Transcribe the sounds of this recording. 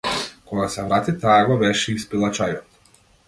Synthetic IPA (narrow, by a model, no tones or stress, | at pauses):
kɔɡasɛvɾat̪it̪aːɡɔvɛʃɛispilˠat͡ʃajɔt̪